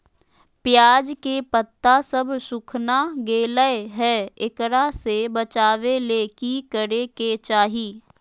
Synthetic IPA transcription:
pjaːd͡ʒkepət̪ːasəbsʊkʰnaɡeːləeɦɛːɪkɾasebət͡ʃaːʋeleːkikəɾeket͡ʃaːɦiː

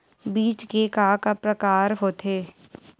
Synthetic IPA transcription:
biːt͡ʃkekaːkapɾəkaːɾɦoːt̪ʰeː

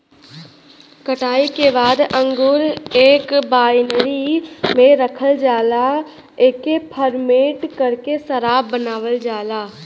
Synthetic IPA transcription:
kəʈaːikebaːd̪ə̃ŋɡʊɾeːkbaːjnɾimẽɾəkʰəld͡ʒaːla | eːkepʰəɾmeːʈkəɾkesəɾaːbənaːʋəld͡ʒaːlaː

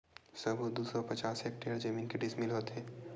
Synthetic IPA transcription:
sɐbud̪uːsɔpɐt͡ʃaːseːk̚ʈeːəɾd͡ʒəmiːnkeɖɪsmɪlɦoːt̪ɦeː

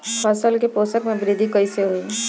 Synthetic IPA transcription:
pʰɐsəlkepoːsəkmẽbɾɪd̪ʱikɐiseɦuiː

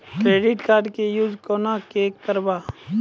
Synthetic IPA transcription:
kɾeːɖɪʈkaːɾɖkejuːd͡ʒkoːnakeːk̚t̪əɾba

